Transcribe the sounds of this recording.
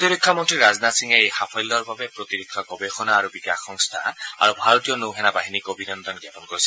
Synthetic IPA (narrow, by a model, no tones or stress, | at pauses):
t̪iɹikʰːamɔntɹiɹaznatsiŋɛejxapʰɔjlːɔɹbabɛpɹot̪iɹikʰːɔɡɔbexɔnaːɹubikaxɔŋst̪ʰa̰a̰ɹubʱaɹɔt̪ijɔnowɦɛnabaɦinikobʱinɔnd̪ɔnɡjapɔnkoɹisɛ